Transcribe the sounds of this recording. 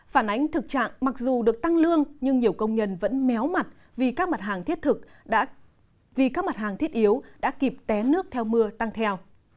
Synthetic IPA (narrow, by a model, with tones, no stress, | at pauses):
faː˧˩nʔa˨˦jŋ̟t̪ʰɨ˨˩k̚t͡ɕa̰ː˧˨ŋma˨˩k̚zu˨˩ɗɨ˨˩ək̚t̪a˧ŋlɨ˧əŋɲɨ˧ŋɲi˨˩əwkə˧wŋ͡mɲə˧˩nvə̰˧˥nmɛ˨˦wma˨˩t̚ | vi˨˩kaː˦˥k̚ma˨˩t̚ɦaː˨˩ŋt̪ʰi˦˥ət̚t̪ʰɨ˨˩k̚ɗa̰ː˧˥ | vi˨˩kaː˦˥k̚ma˨˩t̚haː˨˩ŋt̪ʰi˦˥ət̚ʔi˨˦əwɗa̰ː˧˥ki˨˩p̚t̪ɛ˨˦nɨ˦˥ək̚t̪ʰɛ˧wmɨ˧ət̪a˧ŋt̪ʰɛ˧w